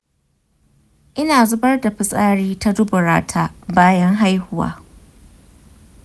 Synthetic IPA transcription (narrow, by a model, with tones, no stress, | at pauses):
ʔɪ˦naː˨zʊ˦bɐ˦rda˨ɸɪ˨sʼaː˦ɽiː˦ta˦dʊ˦bʊ˨ɾaː˦tʰaː˦baː˦jɐ˦ŋɦa˦jhʊ˦wa̰ː˦